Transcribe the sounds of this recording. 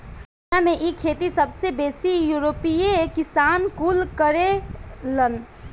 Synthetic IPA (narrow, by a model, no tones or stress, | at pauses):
amẽʔikʰeːt̪̬isɐbsebeːsijuːɾoːpiekɪsaːnkulkəɾelən